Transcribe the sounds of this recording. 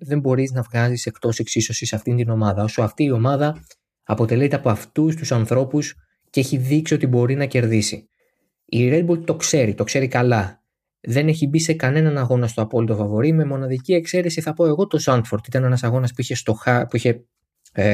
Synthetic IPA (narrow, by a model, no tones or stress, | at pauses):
ðe̞mbo̞ɾiznɐvɣɐzise̞kt̪o̞seksiso̞sisɐft̪int̪ino̞mɐðɐo̞so̞ɐft̪iːo̞mɐðɐ | ɐpo̞t̪e̞lit̪eɐpo̞ɐft̪ust̪usɐnθɾo̞pus | ceçiðiksio̞t̪ibo̞ɾinɐce̞ɾðisi | iɾed̪̚bult̪o̞kse̞ɾit̪o̞kse̞ɾikɐlɐ | ðe̞ne̞çibise̞kɐne̞nɐnɐɣo̞nɐst̪o̞ɐpo̞lit̪o̞fɐvo̞ɾime̞mo̞nɐðicie̞kse̞ɾesiθɐpo̞e̞ɣo̞t̪o̞sɐnt̪fo̞ɾt̪it̪ɐne̞nɐsɐɣo̞nɐspuiçe̞st̪o̞xɐpuiçe̞